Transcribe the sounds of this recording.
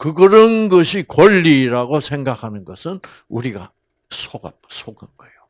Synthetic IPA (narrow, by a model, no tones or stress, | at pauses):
kɯɡɯɾʌnɡʌɕʰikʌʎːiɾaɡosʰeŋɡakʰanɯnɡʌsʰɯn | uɾiɡa | sʰoɡa̰p̚sʰoɡɯnɡʌejo